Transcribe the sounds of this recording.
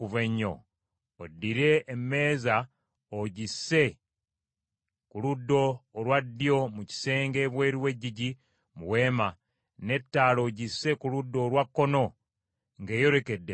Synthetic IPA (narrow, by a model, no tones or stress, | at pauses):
uveɲːo̰ː | dːiɾe̞ːmːe̞ːza | oɟisːe̞ | kuludːo̞ːlwadːijo̞muci̥se̞ːŋɡe̞ːβwe̞ːɾiwe̞ɟːiɟi | muwe̞ːma | ne̞tːaːlo̞ɟisːe̞kuludːo̞ːlwakːo̞no̞ | ŋɡe̞ːjo̞ɾe̞ke̞dːe